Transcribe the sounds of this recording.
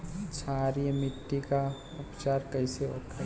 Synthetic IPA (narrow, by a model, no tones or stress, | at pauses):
t͡ʃʰaɾimɪʈːika | ʊpt͡ʃaːɾkəɪseokʰə